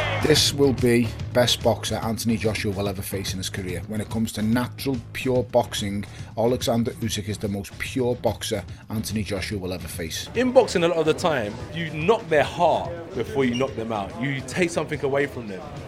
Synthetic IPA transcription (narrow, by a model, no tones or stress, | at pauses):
ðɪswɪlˠbib̥ɛsb̥ɒksəɹʔãntənid͡ʒɒʃəwɪlˠɛvəfeɪsɪ̃nɪz̥kʰəɹɪəwə̃ñɪʔ̚kʰʊ̃mz̥tʰənat͡ʃəɹəlˠpʰj̥ɔːbɒksɪ̃ŋalɪɡzãndəʔʉˑsɪkɪzðəmoʊspʰj̥ɔːbɒksəãntənid͡ʒɒʃəwɪlɛvəfeɪsɪ̃nbɒksɪ̃ŋəlɪəðətʰãɪ̃mjənɒk̚ðəhɑˑʔb̥ɪfɔːjənɒk̚ðə̃maʊʔətʰeɪksʌ̃mθɪ̃ŋəweɪfɹə̃mðə̃m